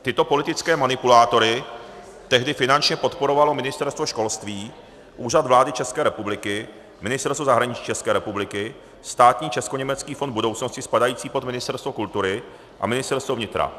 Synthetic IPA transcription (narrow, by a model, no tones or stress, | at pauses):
t̪ɪt̪o̞po̞lɪt̪ɪt͡skɛːmanɪpulaːt̪o̞ɾɪ | t̪ɛɦdɪfɪnant͡ʃɲɛpo̞t̪po̞ɾo̞valo̞mɪnɪst̪ɛɾst̪vo̞ʃko̞lst̪viː | ʔuːrad̪vlaːdɪt͡ʃɛskɛːɾɛpublɪkɪ | mɪnɪst̪ɛɾst̪vozaɦɾaɲɪt͡ʃi̥ːt͡ʃɛskɛːɾɛpublɪkɪ | st̪aːt̪ɲiːt͡ʃɛsko̞ɲɛmɛt͡skiːfond̪̚budo̞wt͡sno̞scɪspadajiːt͡siːpo̞t̪mɪnɪst̪ɛɾst̪vokult̪uɾɪ | ʔa̰mɪnɪst̪ɛɾst̪vovɲɪt̪ɾa̰